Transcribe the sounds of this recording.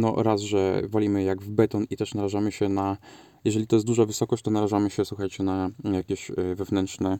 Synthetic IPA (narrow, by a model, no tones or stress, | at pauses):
nɔ̰ɾazʐɛ̰vɔlʲimɘjaɡvbɛt̪ɔnit̪ɛʂnaɾaʐamɘɕɛna | jɛʐɛlʲit̪ɔjɛst̪d̪uʐavɘsɔkɔɕt͡ɕ̚ʲt̪ɔnaɾaʐamɘɕɛswuxajt͡ɕɛnajakʲeɕvɛvnɛnt̪ʂnɛ